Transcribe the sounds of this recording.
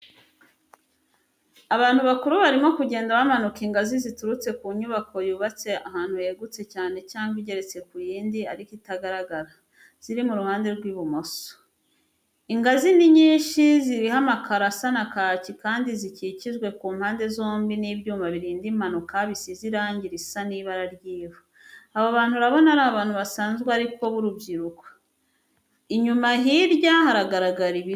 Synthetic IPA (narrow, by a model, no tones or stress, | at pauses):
aβaːn̥huβakuɾuβaɾimo̞kuɟe̞ːndaβamanukiŋɡazizituɾut͡se̞kuːɲuβako̞juːβat͡se̞ahaːnhuje̞ɡut͡se̞caːne̞caːŋɡiɟe̞ɾe̞t͡se̞kujiːndiaɾikitaɡaɾaɡaɾa | z̥iɾimuɾuhaːnde̞ɾɡwiːβumoso̥ | iŋɡaziniɲiːʃiziɾihamakʰaɾasanakacikaːndizicicizɡwe̞kuːmhaːnde̞zo̞ːmbiniβjuːmaβiɾiːndim̥anukaβisiziɾaːɲɟiɾisaniːβaɾaɾjiːβo | aβoβaːn̥huɾaβo̞naɾaβaːn̥huβasaːnzɡweaɾiko̞βuɾubɟiɾuko̥ | iɲumaɦiɾjahaɾaɡaɾaɡaɾiβi